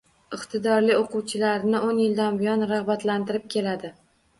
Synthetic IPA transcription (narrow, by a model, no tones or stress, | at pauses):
ɪqt̪ʰɪd̪ɒɾlioquwt͡ʃʰɪlaɾnɪʔonjɪld̪anbɪjɒnɾahbat̪lant̪ɪɾɪp̚kʲʰe̞lad̪ɪ